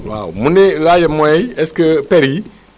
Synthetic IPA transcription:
wa̰mũnẽlajɛmɔ̃ɛɛskəpɛɾi

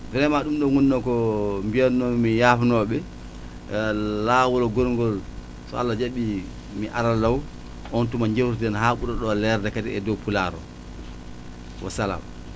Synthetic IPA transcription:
vɛɾɛmaɗumɗɔŋunːɔkɔmbijanːɔmijaːfanɔɓɛ | lawɔlɔɡɔɾŋɡɔl | sɔ̰alːad͡ʒaɓi | miʔaɾalːaw | ʔɔntumaɲd͡ʒewttɗɛnhaːɓuɗɔɗɔlɛɾdɛkatiɛdɔpulaɾɔ̰ | wɔ̰sala̰m

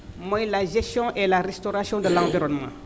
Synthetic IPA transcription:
mwɔ̃jlaʒɛst̪jɔ̃ʔelaɾɛst̪ɔɾasjɔ̃d̪əlãviɾɔnmɑ̰̃

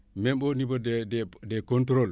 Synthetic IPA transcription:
membonibodededekontɾol

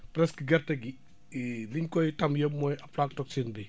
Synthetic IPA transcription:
pɾɛskiɡɐrtɐɡi | liɲkɔjtɐmjɐmːɔjɐflaːk̚tɔk̚t͡ʃinbɛ

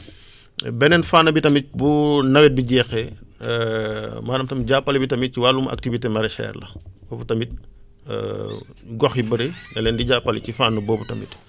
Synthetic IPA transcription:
bɛnɛnfaːnːɐbitɐmit̚bunɐwɛt̚biɟɛːxɛ | maːdɐmtɐmɟaːpːɐlibitɐmit̚ciwalumʔɐ̰k̚tivitemɐɾɛʃɛ̰ːrlɐ̰bɔːbutɐmit̚ː | ɡɔxjibəɾinɛlɛːndiɟaːpːɐlicifaːnːɐbɔːbutɐmḭt

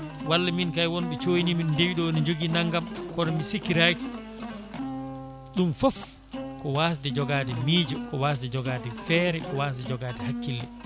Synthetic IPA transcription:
walːaminkajwɔnɓɛt͡ʃojnimindewiɗɔnid͡ʒoɡinaŋɡamkɔɾɔmisikːiɾaki̥ | ɗumfɔf | kɔwas̬dɛd͡ʒɔɡaːdɛmiːd͡ʒɔkɔwas̬dɛd͡ʒɔɡaːdɛfɛːɾɛkɔwaːsdɛd͡ʒɔɡaːdɛhakːilːɛ

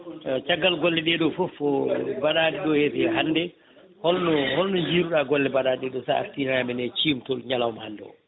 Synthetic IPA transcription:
t͡ʃaɡːalɡɔlːɛɗɛɗɔfɔfɔbaɗaːɗɛɗɔhɛtɛɦanːdɛ | hɔlnɔhɔlnɔɲd͡ʒiːɾuɗaɡɔlːɛbaɗaːɗɛɗɔsaa̰ftinaamɛnɛt͡ʃimtɔɲalaɔmhandɛ̰ɔ̰

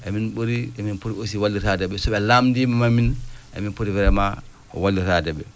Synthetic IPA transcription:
ʔɛminɓoɾiɛminpoɾiosiwalːitadɛɓɛsɔɓɛlamdimamaminʔɛ̰minpoɾiwɛɾɛma | ɔ̰walːitadɛɓɛ

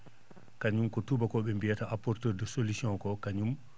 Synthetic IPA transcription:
kaɲumkɔtubakɔɓɛmbijataʔapɔɾtɛːɾdɔsolisiɔ̃ŋkɔkaɲum

